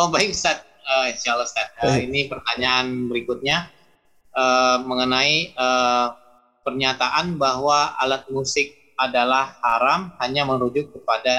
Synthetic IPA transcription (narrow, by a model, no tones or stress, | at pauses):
obaɪkst̪at̪̚əiʃalast̪at̪̚əinipərt̪aɲaʔanbəɾikʊt̪̚ɲa | ʔəːməŋənaiə | pərɲat̪aʔanbaɦwaa̰lat̪̚musɪk̚ | adalahːaɾamhaɲaməɾud͡ʒʊkːəpada